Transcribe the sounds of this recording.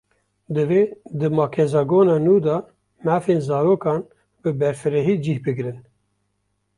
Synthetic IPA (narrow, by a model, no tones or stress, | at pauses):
d̪ɨveːd̪ɨmɑːkʰɛzɑɡoːnɑːnuːd̪ɑ | mæːfeːnzɑːɾoːkɑːn | bɨbɛɾfɨɾɛɦiːd͡ʒiːhbɨɡɾɨn